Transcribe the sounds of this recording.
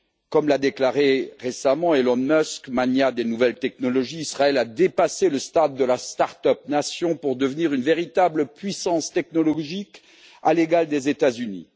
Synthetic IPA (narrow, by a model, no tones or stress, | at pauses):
kɔmlad̪eklaʁeʁesamɑ̃elɔnmœskmanjad̪enuvɛlt̪ɛknɔlɔʒiːsχaɛlad̪epaseləst̪ad̪ːəlast̪aʁt̪œp̚nasjɔ̃puʁd̪əvniʁynveʁit̪abləpɥisɑ̃st̪ɛknɔlɔʒik | aleɡald̪ezet̪azynḭ